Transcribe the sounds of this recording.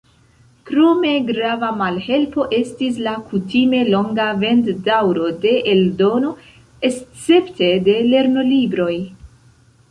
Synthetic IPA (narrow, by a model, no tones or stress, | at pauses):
kɾo̞me̞ɡɾavamalhe̞lpo̞ʔe̞stis̬lakutime̞lo̞ŋɡave̞nddawɾo̞de̞ʔeldo̞no̞ | est͡se̞pte̞de̞le̞ɾno̞libɾo̞j